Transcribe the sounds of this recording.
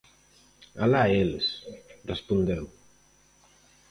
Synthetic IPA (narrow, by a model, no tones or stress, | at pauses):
alaelsrəspund̪ɛw